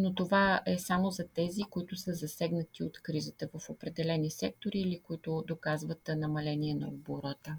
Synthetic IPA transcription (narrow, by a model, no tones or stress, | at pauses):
not̪ovaɛsamozɐt̪ɛzikoit̪ʊsəzɐsɛɡnət̪iot̪kɾizət̪əvəfopɾɛd̪ɛlɛnisɛk̚t̪oɾiːlikoit̪ʊd̪okazvət̪nɐmɐlɛniɛnɐ̰oboɾət̪ə